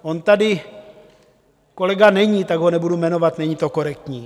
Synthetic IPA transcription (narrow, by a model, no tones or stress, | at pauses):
ʔont̪adɪ | kolɛɡanɛɲit̪aɡɦonɛbudumɛno̞vat̪nɛɲit̪o̞ko̞ɾɛk̚t̪ɲiː